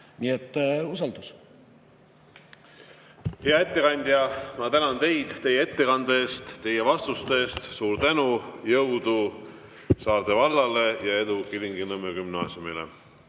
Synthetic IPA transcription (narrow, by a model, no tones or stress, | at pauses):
niet̪ːˑusɑld̪̥us | heɑe̞t̪ːe̞kɑnʲd̪̥jɑmɑt̪ænɑnt̪e̞jd̪̥t̪e̞jːeet̪ːe̞kɑnd̪ɑeːst̪ːe̞je̞vɑst̪ust̪eːst̪suːɾt̪ænujɤwd̪u | sɑːɾt̪e̞vɑlːɑle̞jɑe̞d̪ukiliŋɡinɤmekymnɑ̰ːsʲjumilḛ